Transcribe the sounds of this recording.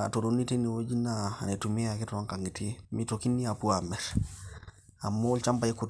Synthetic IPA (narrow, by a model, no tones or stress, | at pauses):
a̰todonːiteniwod͡ʒinanetumiaketooŋkaŋɡitimitokinːiapuames | amːoult͡ʃambaeku